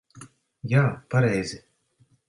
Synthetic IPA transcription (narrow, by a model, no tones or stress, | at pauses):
jaːpaɾɛjzʲɪ